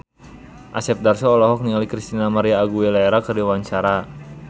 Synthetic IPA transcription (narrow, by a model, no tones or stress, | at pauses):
ʔasɛp̚darsɔːlɔɦɔk̚nialikɾist̪inamaɾiaːɡuɛlaɛɾakərdiwaɲt͡ʃaɾa